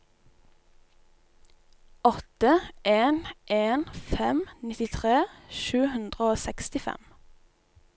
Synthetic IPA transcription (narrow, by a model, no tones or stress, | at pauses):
ɔt̪əʔeːnʔeːnfɛmnɪt̪ɪt̪ʰʁeːʃʉːhʉnd̪ʁəoːsɛkst̪ɪfɛ̰m